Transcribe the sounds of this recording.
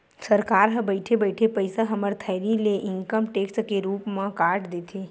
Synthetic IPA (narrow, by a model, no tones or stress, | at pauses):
səɾkaːɾɦə̃bəɪʈʰebəɪʈʰepəɪsaɦɐməɾt̪ʰəɪɾileʔɪŋkəmʈeːkskeɾuːpmãkaːɾʈd̪eːt̪ʰe